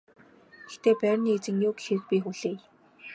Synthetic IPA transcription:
ext̪ʰeːpæːrʲniːet͡sɘ̆ŋjʊːkxeɾɘ̆k̚pʲiːxuɮeː

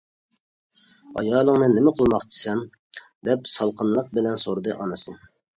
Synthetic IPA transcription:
ɑ̰jɑːlˠəŋnɨnɪmɪqʰəlˠmɑqt͡ʃ̪ʰɪ̥sɛn | d̪ɛpsɑlˠqʰənlˠəq̚bɪlɛnsoɾɨd̪ɨʔɑnɨsɨ

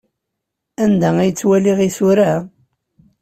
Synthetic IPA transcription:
ænd̪ææjət͡sːwæliʁisuɾa

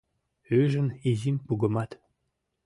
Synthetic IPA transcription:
øʒə̆nizimpuɡə̆mɑt̪

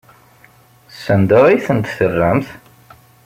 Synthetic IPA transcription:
sːənd̪əʁiθənt̪θərːæmθ

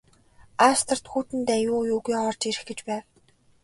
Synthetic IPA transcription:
ast̪ə̆r̥t̪xuːt̪ɘ̆nt̪æjʊːjuːɣiːɔːrt͡ɕiɾɘ̆xɡĕt͡ɕpæːw

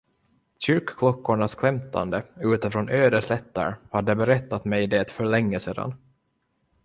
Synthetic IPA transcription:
ɕʏɾkkʰlɔkːʊɳaskʰlɛmt̪ʰa̰nd̪əʉ̟ːt̪əfɾɔnʔøːd̪əʂlɛt̪ːa̰ɾhad̪ːəbɛɾɛt̪ːat̪mɛjɪd̪eːt̪fœɭɛŋːəseːd̪a̰n

